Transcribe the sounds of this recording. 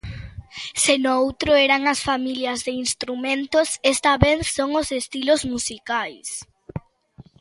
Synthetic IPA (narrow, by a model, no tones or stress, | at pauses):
senoowt̪ɾʊɛɾaŋɐsfamiljɐzðeinst̪ɾumẽnt̪osest̪ɐβenθsoŋosest̪ilozmusikajs